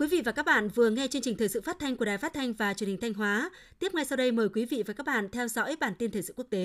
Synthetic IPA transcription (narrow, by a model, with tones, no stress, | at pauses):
kwi˨˦vḭ˧˨vaː˨˩kaː˦˥k̚ɓa̰ː˧˨nvɨ˨˩əŋɛ˧t͡ɕəŋt͡ɕï̟˨˩t̪ʰəː˨˩sɨ̰˧˨fa˦˥t̚t̪ʰa˧ŋ̟ku˧˩a˨˩jfaː˦˥t̚t̪ʰa˧jŋ̟vaː˨˩t͡ɕənhï˨˩ŋ̟tʰa˧jŋ̟ɦwaː˨˦ | t̪i˦˥əp̚ŋa˧jsa˧wɗə˧jməː˨˩jkwi˨˦vḭ˧˨vaː˨˩kaː˦˥k̚ɓa̰ː˧˨nt̪ʰɛ˧wzɔ̰˧˥˦jɓaː˧˩nt̪i˧nt̪ʰə˨˩sɨ̰˧˨ku˦˥ək̚t̪e˨˦